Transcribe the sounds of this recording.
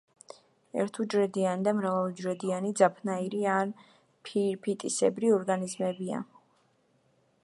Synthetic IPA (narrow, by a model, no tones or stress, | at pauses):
ɛ̰ɾt̪ʰud͡ʒɾɛd̪ianid̪amɾavalˠd͡ʒɾɛd̪ianid̪zapʰnaiɾian | pʰiɾpʰit̪ʼisɛbɾiɔɾɡanizmɛbia̰